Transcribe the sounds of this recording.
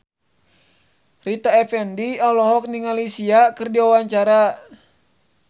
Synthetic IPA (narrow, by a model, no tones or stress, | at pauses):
rit̪aɛfɛndiɔhlɔɦɔk̚niŋalisiakɨrdiawaɲt͡ʃaɾa